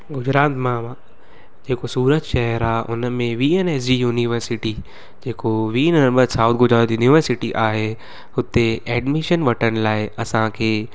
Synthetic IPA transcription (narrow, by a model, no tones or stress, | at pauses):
ɡʊd͡ʑɾaːt̪mã | d͡ʑeːkosuːɾət̪ʃɛɦəɾaːʔʊnmẽʋiːeneːs̬d͡ʑijuːniʋəɾsɪʈi | d͡ʑeːkoʋiːnnəɾbəɾsaʊt̪̚ʰɡʊd͡ʑɾaːt̪juːniʋəɾsɪʈiʔaːɦe | hʊt̪eɛːɖmiʃənʋɐʈʰəñɪ̆laːɪɐsãkʰeː